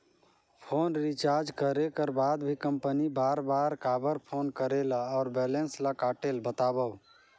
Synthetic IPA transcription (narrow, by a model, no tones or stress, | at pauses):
pʰoːnɾit͡ʃaːɾd͡ʒkəɾekəɾbaːd̪bʱikə̃mpənibaːɾbaːɾkaːbəɾpʰoːnkəɾeːlaɔːɾbɛːlẽnslakaːʈeːlbət̪aːbəw